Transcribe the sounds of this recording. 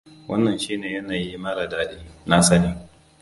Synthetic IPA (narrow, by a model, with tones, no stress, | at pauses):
wɐ˦nːɐ˨nʃiː˦neː˨jɐ˦naː˨ji˦mɐ˦ɾa˨daː˦ɗiː˦na˦sɐ˦ni˦